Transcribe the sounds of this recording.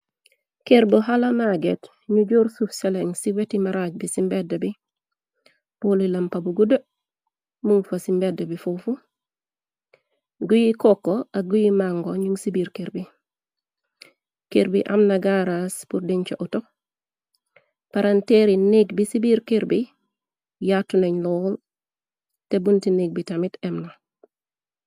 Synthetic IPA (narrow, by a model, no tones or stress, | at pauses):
keɾboɦalamaɡet | ɲuɟuːɾsufseleŋsiwetimaɾaːɟ̚bisimbedːɐbi | pulilɐmpabuɡudə | muŋfasimbedɐbifufu | ɡujikokːoaɡujimaŋɡoɲuŋsibiɾkiɾbi | kiɾbiʔa̰mnaɡaɾaspuɾdiɲt͡ʃoʔuto | paɾanteɾiniɡbisibiɾkiɾbi | jatːuneɲlol | tebuntiniɡ̚bitamitemna